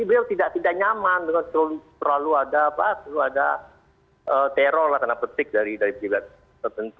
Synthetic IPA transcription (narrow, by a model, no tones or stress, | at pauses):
dibəɾiawt̪idaʔt̪idaʔɲamand̪ukant̪əɾlut̪əɾaluadaːpat̪luada | ʔəːt̪eɾɔrlaht̪anapət̪ɪk̚daɾidaɾipəd͡ʒibat̪̚ | t̪ərt̪ənt̪u